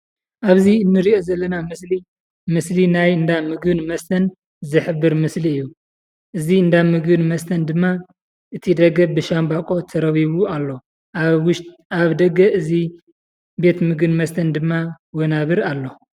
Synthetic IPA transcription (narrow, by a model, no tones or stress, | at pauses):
ʔaβziɨnːɨɾio̞zɐlːɐnamɨsli | mɨslinajɨnd̪amɨɡbɨnmɐst̪ʰɐn | zɨħɨbːɨɾmɨsliɨjːu | ʔɨziɨnd̪amɨɡbɨnmɐst̪ʰɐnd̪ɨmːa | ʔɨt̪ʰid̪ɐɡɐbɨʃambakʼo̞t̪ʰɐɾɐβiβualːo̞ | ʃ | aβd̪ɐɡɐʔɨzi | be̞t̪mɨɡɨnmɐst̪ʰɐnd̪ɨmːa | wonaβɨɾalːo̞